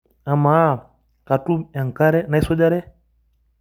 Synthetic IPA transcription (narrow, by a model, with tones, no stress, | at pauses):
a˨ma˨˦˨ | ka˨tu˦ma˨ŋ˨ka˦ɾɛ˦na˦sɔ˦d͡ʒa˦ɾɛ˦